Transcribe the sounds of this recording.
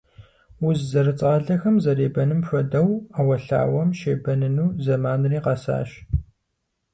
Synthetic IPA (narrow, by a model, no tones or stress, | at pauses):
wʊzzɐɾɨt͡sʼʁɐɮɐxɐmzɐreːbɐnɨmɕʷɐdɐwaːwɐɬa̰ːwɐmʃeːbɐnɨnuːzɐmaːnriːqɐsa̰ːʃ